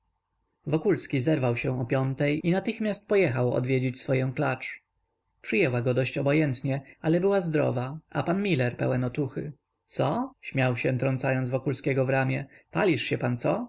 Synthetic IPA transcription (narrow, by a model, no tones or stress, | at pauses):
vɔkulskʲizɛɾvawɕɛ̃ɔpʲjɔnt̪ɛjinat̪ɘxmʲjast̪̚pɔjɛxawɔ̰d̪vʲjɛd͡ʑet͡ɕsfɔjɛ̃w̃klat͡ʂ | pʂɨjɛwaɡɔd̪ɔɕt͡ɕɔbɔjɛnt̪ɲɛalɛbɘwazd̪ɾɔ̰vaapanmʲilɛɾpɛ̰wɛnɔt̪uxɘ̰ | t̪sɔɕmʲawɕɛnt̪ɾɔnt̪sajɔnzvɔkulskʲɛɡɔvɾamʲjɛpalʲiʂɕɛpant̪sɔ